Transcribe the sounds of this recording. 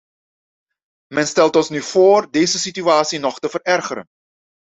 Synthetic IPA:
mɛnstɛlˠtɔnsnyv̥oːrdeːjzəsityaːtsinɔχtəvərɛrχəɾə̰n

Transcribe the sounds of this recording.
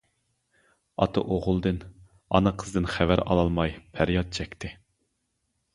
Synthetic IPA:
ɑ̰t̪ʰɑ̰ʔoʁʊlˠd̪ɨn | ɑ̰nɨqʰəzd̪ɨnχævæɾɑ̰lˠɑlˠmɑjpʰæɾjɑt̪̚t͡ʃʰɛkʲt̪ʰɪ

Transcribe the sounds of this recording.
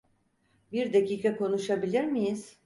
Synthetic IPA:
biɾd̪aciːkʰako̞nuʃabilʲiɾmijiz̥

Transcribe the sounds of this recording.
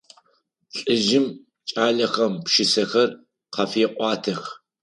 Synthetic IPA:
ɬʼɨʒɪm | t͡ʃʼaːɮɐxɐmpʃɪsɐxɐr | qɐfeːqʷʼɑːtʰɐx

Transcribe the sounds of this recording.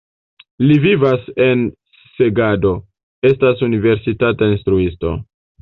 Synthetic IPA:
livivase̞n | se̞ɡado̞ | e̞stasunive̞ɾsitatainstɾuisto̞̰

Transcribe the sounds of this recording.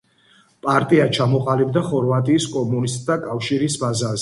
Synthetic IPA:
pʼaɾt̪ʼiat͡ʃʰamɔqʼalibd̪aχɔɾvat̪ʼiːskʼɔmunist̪ʼd̪akʼafʃiɾisbazazɛ

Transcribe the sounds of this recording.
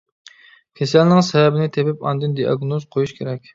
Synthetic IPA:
kʲʰesɛlnɪŋsɛvɛbɪnɪt̪ʰebɪpɑ̰nd̪ɨnd̪ijɑ̰ɡnozqʰojuʃkʲʰeɾɛkʲ

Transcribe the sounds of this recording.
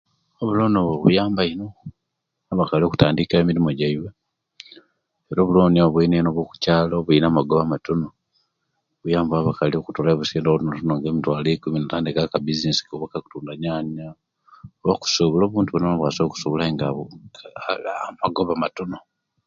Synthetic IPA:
oβulonoβoβujaːmbaino | aβakalio̞ku̥taːndikaemiɾimoɟaiwe | eɾoβuloːniaβainenoβwoku̥caːloβuinamaɡoβamatono | βujaːmbaβakaliokutolaeβusiːndoβnotonoŋɡemitwaːlekuminataːndikakabizinesi̥koβakaku̥tuːndaɲaːɲa | oβoku̥soβuloːβuːntuβononoβwaːsoku̥soβulaeŋɡa | maɡoβamatono

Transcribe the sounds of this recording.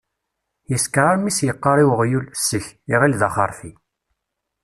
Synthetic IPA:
jəskɾˤaɾmisjəqːəɾˤiwʁjulsːəçiʁilðɑχəɾˤfi

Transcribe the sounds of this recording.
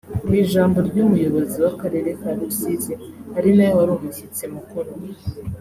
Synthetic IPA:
wiːʒaːmbo̞ɾɟumujo̞βo̞ziwakaɾe̞ːɾe̞kaɾusizehaɾinajowaɾoːmiçit͡semukuɾo

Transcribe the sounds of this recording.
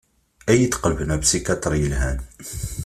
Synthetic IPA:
ʔæjt̪qəlbnæbsikæt̪ɾˤiəlɦæn

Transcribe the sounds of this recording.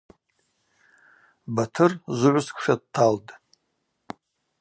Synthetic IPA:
batʰɨrzʊʕʷʊskʷʰʂad̚tʰːaldʼ

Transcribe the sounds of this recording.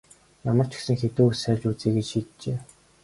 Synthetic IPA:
jamə̆r̥t͡ɕʰɪ̥̆ksɘ̆ŋxet̪uːusærʲt͡ɕut͡siːɡet͡ɕʃiːt̪t͡ɕeː

